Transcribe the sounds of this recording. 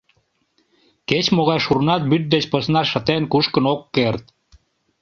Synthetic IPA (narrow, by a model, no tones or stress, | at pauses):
ket͡ɕmoɣɑjʃurnɑt̪̚byt̪̚d̪et͡ɕposnɑʃə̆t̪enkuʃkənokːert̪̚